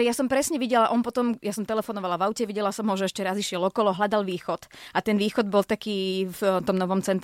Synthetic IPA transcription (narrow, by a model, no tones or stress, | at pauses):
jasɔmpɾɛsɲɛʋiɟɛlaʔɔnpɔt̪ɔmjasɔmt̪ɛlɛfɔnɔʋalaʋaʊcɛʋiɟɛlasɔmɦɔʒɛɛʃcɛɾaziʃɪɛlɔkɔlɔɦʎad̪alʋiːxɔt̪ʔat̪ɛnʋiːxɔd̪bɔlt̪akiːft̪ɔmnɔʋɔmt͡sɛnt̪